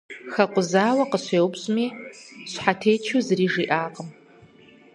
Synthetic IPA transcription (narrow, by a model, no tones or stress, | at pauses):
xɐqʷʊzaːwɐqəɕʷeːwʊbɕʼmiːɕʷħatʰeːt͡ʃʰuzɨriːʐiːʔaːqʼəm